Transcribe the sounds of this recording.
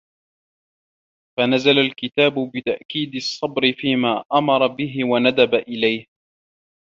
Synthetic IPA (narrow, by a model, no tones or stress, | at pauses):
fanazalalkɪt̪aːbʊbɪt̪aʔkiːd̪ɨsˤːɑbɾɪfiːmaːʔamɑɾˤɑbɪɦɪwanad̪abaʔɪlajh